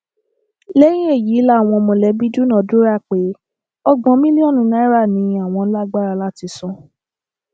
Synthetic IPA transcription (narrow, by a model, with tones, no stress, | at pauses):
le˦ɾi˦e˦˨ji˨˦la˦˨w̃ɔ̃˧mɔ̃˨lɛ˨˦bi˦du˦nã˦˨˦du˦ɾa˦˨k͡pe˨˦ | ɔ˦ɡ͡bɔ̃˨˧˦mĩ˦lĩ˦ɔ˦˨nũ˨˦nã˦ɾa˦˨nĩ˨˧˦a˦˨w̃ɔ̃˧n̩˦la˦ɡ͡ba˦˨ɾa˧la˦ti˧˦sɔ̃˦